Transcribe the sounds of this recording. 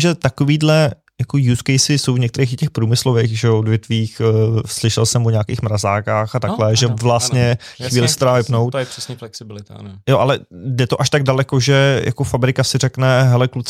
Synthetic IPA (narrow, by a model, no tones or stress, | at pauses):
ʒɛt̪akoviːdlɛ | jakojuːskɛjsɪsowvɲɛkt̪ɛɾejxɪcɛxpɾuːmɪslovejxʒɛoʔodvjɛt̪viːxslɪʃɛlsɛmoɲaːkeːxmɾazaːkaːxat̪aklɛʒɛvlast̪ɲɛxviːlɪsɛt̪ɛdaːvɪpno̞wt̪jr̥ɛsɲɛflɛksɪbɪlɪt̪a̰joʔalɛdɛt̪oʔaʃt̪aɡ̚dalɛkoʒɛjʔa̰kofabɾɪkasɪrɛknɛɦɛlɛklut͡s